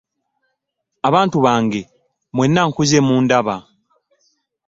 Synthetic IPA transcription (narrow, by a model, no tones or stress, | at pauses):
aβaːntuβaːŋɡe̞ | mwe̞nːaŋkuzemuːndaβa